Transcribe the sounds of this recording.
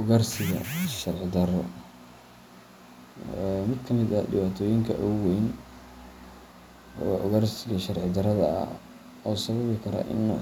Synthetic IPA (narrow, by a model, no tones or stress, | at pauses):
ʔʊɣɐrsɪɣɐ̰ʃɐrʕɪd̪ɐɾɔ | ɛmɪd̪kʰɐmɪd̪ɐ̰dɪβaːt̪ʰɔːjɪŋkʰɐ̰ʔʊwɛjn | ʔʊɣɐrsɪɣɐʃɐrʕɪd̪ɐɾɐðɐɐ̰ | ɔːsɐβɐβɪkʰɐɾɐ̰ʔɪ̰nː